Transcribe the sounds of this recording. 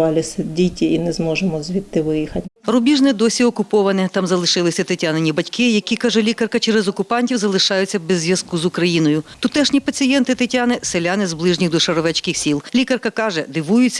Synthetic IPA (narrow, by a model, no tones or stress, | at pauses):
ɑlʲɪsɛdʲitʲiinɛzmɔʒɪmɔzʋʲit̪ːɪʋɪjixɐtʲrʊbʲiʒnɛd̪ɔsʲiɔkʊpɔʋɐnɪt̪ɑmzɐlˠɪʃɪlˠɪsʲɐt̪ɪtʲanenʲːibɐtʲkɪjɐkʲikɑʒɛlʲikɐrkɐt͡ʃɛɾɛzɔkʊpɑnʲtʲiwzɐlˠɪʃɑjʊt͡sʲːɐbɛzʲːʋjɐzkuzʊkɾɐjinɔjʊt̪ʊt̪ɛʃnʲipɐt͡sʲijɛnt̪ɪt̪ɪtʲanɪselʲanɪzblˠɪʒnʲiɣd̪ɔʃɐɾɔʋɛt͡ʃkɪxsʲilˠlʲikɐrkɐkɑʒɛd̪ɪʋujʊt͡sʲːɐ